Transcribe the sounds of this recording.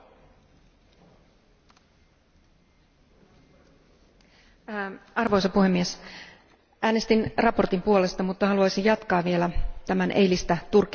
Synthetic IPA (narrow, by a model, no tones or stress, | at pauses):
ɑrʋo̞jsɑpuɦe̞mːies | ʔæːne̞st̪inrɑpo̞rt̪impuo̞le̞st̪ɑmut̪ːɑhɑluɑjsijjɑt̪kɑːʋʋielæt̪æmænʔe̞̰jlist̪æt̪urkːˑ